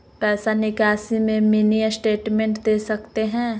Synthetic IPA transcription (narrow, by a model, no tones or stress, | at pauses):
pɛːsanɪkaːsimẽminijəsʈeːʈmɛ̃ɳʈd̪eːsɐkt̪eɦɛ̃ː